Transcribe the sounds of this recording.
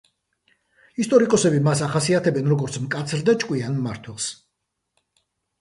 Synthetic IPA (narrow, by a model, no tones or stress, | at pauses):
ist̪ʼɔɾikʼɔsɛbimasaχasiat̪ʰɛbɛnɾɔɡɔɾt̪sʰmkʼat̪sʰɾd̪at͡ʃʼkʼwianːa̰ɾt̪ʰwɛlˠs